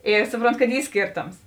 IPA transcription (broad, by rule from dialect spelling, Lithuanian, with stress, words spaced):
ˈɪ ˈsʊproːnˌtʊ kɐt ˈiː ˈsʲkʲeːrˌtoːms